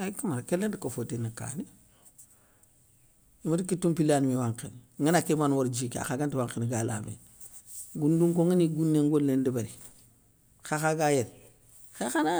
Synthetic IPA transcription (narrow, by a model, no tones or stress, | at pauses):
akimaɾkelːentikofotenaka̰ːni | imadikitːumpilanmiwaŋkḭnŋinakimanwoɾd͡ʒika̰xaɡantiwaŋkinɡala̰mḛn | ɡunduŋkoŋiniɡunːeŋɡolːendibaɾi | xaxaɡajeɾ | xexana